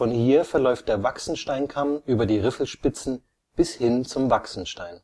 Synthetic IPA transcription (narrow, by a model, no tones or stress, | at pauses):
fɔnhiːɐfɛɐlɔʏft̚d̥eːɐvaksn̩ʃtaɪnkʰamʔyːbɐdiːʁɪfl̩ʃpɪt͡sn̩ | b̥ɪshɪnt͡sʊmvaksn̩ʃtaɪn